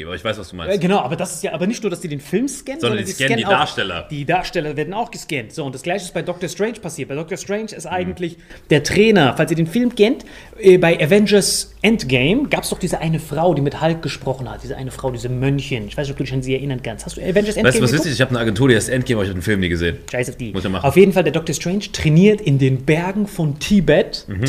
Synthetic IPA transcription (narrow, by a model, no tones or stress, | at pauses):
mʔa̰bɐɪçv̥aɪsvasd̥uːmaɪnɡənaʊʔaːbɐdasɪstjaːʔaːbɐnɪçtnuːɐdasd̥iːdeːnfɪlmskɛnnzɔnɔɐdindisɛnaːɐʃtɛlɐ̰d̥iːdaːɐʃtɛlɐveːɐdn̩aʊxɡ̥əskɛntz̥oːʊntd̥asɡ̥laɪçəɪstb̥aɪdɔk̚tɐstʁ̥ɛɪnʃpasiːɐt̚baɪdɔk̚tɐstʁ̥ɛɪnʃɪstʔaɪɡŋ̩tʰlɪçd̥eːɐtʁ̥ɛːnɐfalsiːɐdeːnfɪlmkʰɛnt | ʔɛːbaɪʔɛvɛnd͡ʒɐsʔɛntɡ̥eɪmɡaːpɛsd̥ɔχd̥iːzəʔaɪnəfʁ̥aʊdiːmɪthalk̚ɡ̥əʃpʁ̥ɔχn̩hat̚d̥iːzəʔa̰ɪnəfʁ̥aʊdiːzɐmœnçənɪç̥aɪsnçʔɔpd̥uːdɪçanziːɛɐʔɪnɐnkʰansthastd̥uɛvɛnd͡ʒɐsʔɛnvaɪsuvaɪsɪçɪçhaːbnəaɡɛntʰuːɾihaɪstʔɛnt̚ɡ̥emabɐɪçhadenfɪlmniːɡəzḛːnʃaɪsafd̥iːmʊsmaaʊfjeːdn̩faldeːɐdɔk̚tɐstʁ̥ɛɪnʃtʁ̥ɛniːɐtɪndeːnbɛɐɡŋ̩fɔntʰiːbɛt̩h